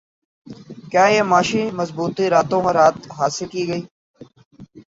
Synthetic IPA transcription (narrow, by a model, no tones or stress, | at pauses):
kjaːjeːmaːʃiːməzbuːt̪iːɾaːt̪õːkãɾaːt̪ɦaːsɪlkiːɡəiː